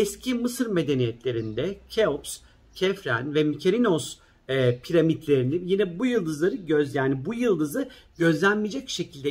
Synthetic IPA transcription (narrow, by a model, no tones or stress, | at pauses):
ɛscʰimɯsɯɾme̞d̪e̞nijɛt̪lʲe̞ɾind̪ɛcʰeops | cʰɛfɾæ̰nvɛmicʰeɾinoz | ɛpʰiɾamit̪lʲe̞ɾinijinɛbujɯlˠd̪ɯzlˠaɾɯɟøzjaːnibujɯlˠːɯzɯɟø̞zlʲænmid͡ʒɛc̚ʃe̞cʰilʲd̪ɛ